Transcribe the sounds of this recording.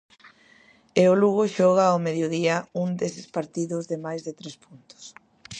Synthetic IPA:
eʊluɣoʃɔɣ̞aomeðjoðiɐuŋd̪esɪspaɾt̪iðʊzðemajzðet̪ɾespunt̪ʊ̥s

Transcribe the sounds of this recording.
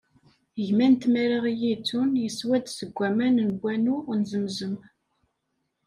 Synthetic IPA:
əʝmænt̪mæɾaʁjit͡sːunjəswæd̪səɡʷːæmænnbʷːænunzəmzəm

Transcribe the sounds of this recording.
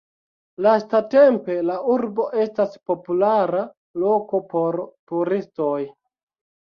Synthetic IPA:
lastate̞mpe̞lauɾbo̞ʔe̞staspo̞pulaɾa | lo̞ko̞po̞ɾtuɾisto̞j

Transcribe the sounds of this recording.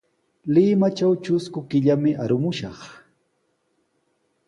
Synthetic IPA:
lɪmat͡ʃawt͡ʃʊskʊkɪʎamɪʔaɾʊmʊʃɑχ

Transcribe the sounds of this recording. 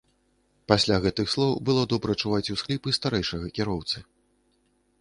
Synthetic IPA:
pasʲlʲaɣɛt̪ɨxslˠɔwbɨlˠɔd̪ɔbɾɐt͡ʂuvat͡sʲusklʲipɨst̪aɾɛjʂɐɣɐkʲiɾɔwt̪sɨ

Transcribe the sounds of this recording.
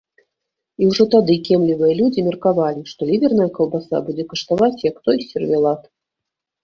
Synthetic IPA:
iwʐɔt̪ad̪ɨkʲɛmlʲivɨjɐlʲud͡zʲimʲɛrkavalʲiʂt̪ɔlʲivʲɛrn̪ɐjɐkɐlˠbasa̰bud͡zʲɛkɐʂt̪avat͡sʲjɐkt̪ɔjsʲɛrvʲɛlˠat̪

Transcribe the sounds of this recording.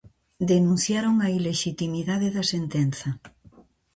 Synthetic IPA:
d̪enũn̟θjaɾoŋɐileʃit̪imiðaðeðɐsent̪enθɐ

